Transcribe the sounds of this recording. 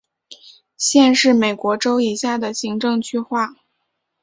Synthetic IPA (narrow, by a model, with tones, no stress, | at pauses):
ɕjɛ˥˧nʂɻ̩˥˩me˨˩ɪkwɔ˧˥ʈ͡ʂo˥ʊi˨˩ɕja˥˩d̪ə˩ɕi˧˥ŋʈ͡ʂɤ˥˧ŋt͡ɕʰy˥˧xwa˥˩